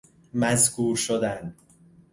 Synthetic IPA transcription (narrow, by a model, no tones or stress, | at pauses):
mæzkʰuːɾʃod̪æn